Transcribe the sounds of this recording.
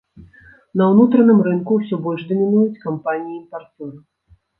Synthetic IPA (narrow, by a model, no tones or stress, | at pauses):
nɐwnut̪ɾɐnɨmɾɨnkuwsʲɔbɔlʲʐd̪ɐmʲinujut͡sʲkampanʲijiːmpart͡sʲɔɾɨ